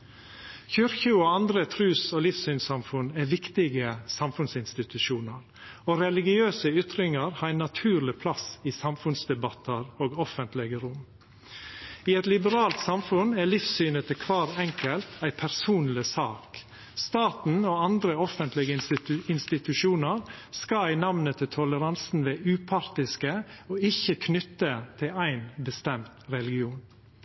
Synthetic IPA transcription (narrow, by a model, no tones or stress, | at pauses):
çʏɾçəoːɑnd̪ɾət̪ʰɾʉːsoːlɪfsyːnsɑmfʉnæːʋɪkt̪ɪɡəsɑmfʉnsɪnst̪ɪt̪ʉʃuːnəɾ | oːɾɛlɪɡɪøːsəʏt̪ɾɪŋəɾhɑːɾæɪnːɑt̪ʰʉːɾlɪpʰlɑsiːsɑmfʉnsd̪ɛbɑt̪ʰəɾoːɡɔfənt̪lɪɡəɾʊm | iːɛt̪lɪbəɾɑːlt̪sɑmfʉnæːlɪfsyːnət̪əkʰʋɑːɾɛŋkəlt̪ʰæɪpʰæɾsuːnlɪsɑːk | st̪ɑːt̪n̩oːɑnd̪ɾəɔfənt̪lɪɡəɪnst̪ɪt̪ʉʃuːnəɾskɑæɪnɑʋnət̪ʰɪlt̪ʰɔləɾɑnsn̩ʋeːʉːpʰɑɾt̪ɪskəoːɪçəkʰnʏt̪ːət̪ʰɪlæɪnbəst̪ɛmt̪ɾɛlɪɡɪuːn